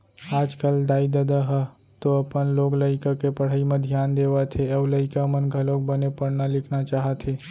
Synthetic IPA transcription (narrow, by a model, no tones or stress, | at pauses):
aːd͡ʒkəld̪aːid̪əd̪aɦə | t̪oəpənloːɡləɪkakepəɽ̤əimẽd̪ʱjaːnd̪eʋat̪ʰeɐləɪkamənɡʱəloɡ̚bənepəɽnalɪkʰnat͡ʃaːɦət̪ɦe